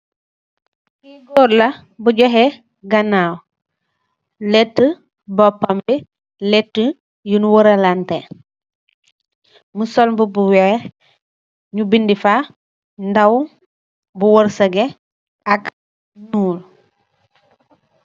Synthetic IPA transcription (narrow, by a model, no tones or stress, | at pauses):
iɡɔːɾlɐ | buɟɔɦe | ɡɐnaw | lɛtːə | bɔpːambi | lɛtːə | junwɔɾɐlante | musɔlmbubuwɛ | ɲubindifa | ndaw | buwɔɾsɐɡe | ak | nuːl